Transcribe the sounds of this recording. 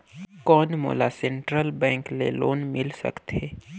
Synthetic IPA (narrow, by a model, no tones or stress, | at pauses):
kɔːnmo̰ːlasẽɳʈɾəlbɛ̃ːŋklḛloːnmɪlsə̰kt̪eː